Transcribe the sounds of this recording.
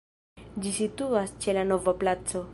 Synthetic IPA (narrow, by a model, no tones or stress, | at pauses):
d͡ʒisit̪uast͡ʃe̞lanovaplat͡so̞